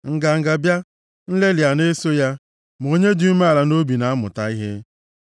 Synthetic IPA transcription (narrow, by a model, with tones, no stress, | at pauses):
ŋ̩˨ɡa˨ŋ̩˨ɡa˨bja˦ | n̩˦le˦li˨a˨ne˦so˦ja˦ | m˨o˦ɲe˦di˦u˦me˦a˨la˨no˦bi˨na˨a˦mʊ̰˨ta˨i˦ɦe˦